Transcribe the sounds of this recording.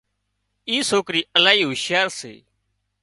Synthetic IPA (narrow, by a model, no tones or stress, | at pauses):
iːsoːkɾiːəlaːiːɦuːʃjaːɾsḛː